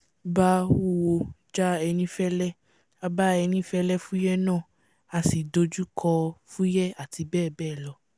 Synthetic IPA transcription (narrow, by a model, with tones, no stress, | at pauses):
ba˦wu˦wo˧d͡ʒa˦ɛ˧nĩ˧fɛ˦lɛ˦ | a˧ba˦ɛ˧nĩ˦fɛ˦lɛ˦fu˦jɛ˦nãː˦˨ | a˧si˨do˧d͡ʒu˦kʰɔ˧fu˦jɛ˦a˦˨ti˧bɛː˦˨bɛː˦˨lɔ˨˧